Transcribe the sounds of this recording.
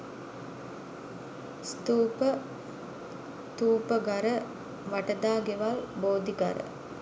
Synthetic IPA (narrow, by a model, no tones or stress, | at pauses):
st̪uːpə | t̪uːpəɡaɾə | ʋaʈəd̪aːɡeʋalboːd̪iɡa̰ɾə̰